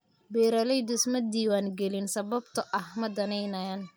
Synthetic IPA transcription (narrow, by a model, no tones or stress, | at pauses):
bɛːɾɐlɛjd̪ʊsmɐd̪iːwaːnɡɛlɪnsɐβɐbt̪ʰɐʔɐhmɐd̪ɐnɛjnɐjaːn